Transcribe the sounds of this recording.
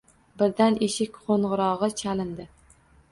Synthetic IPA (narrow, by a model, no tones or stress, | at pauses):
bɪɾd̪aneʃɪkʲqʰoɴʁʊɾɒʁɨt͡ʃʰalɪnd̪ɪ